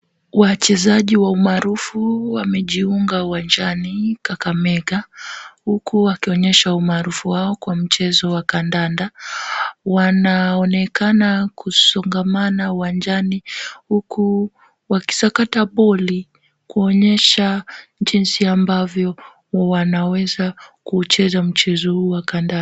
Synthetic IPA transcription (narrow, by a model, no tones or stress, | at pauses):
wat͡ʃɛzaʄiwaumaːɾufuwamɛʄiuŋɡauwand͡ʒanikakamɛɠahukʰuwakiɔɲɛʃaumaːɾufuwaɔkwam̩t͡ʃɛzɔwakandanda | wanaɔnɛkanakusɔŋɡamanauwand͡ʒanihuku | waki̥sakataɓɔli | kuɔɲɛʃaʄinsiambavjɔ | wanawɛzakut͡ʃɛzam̩t͡ʃɛzɔhuːwakanda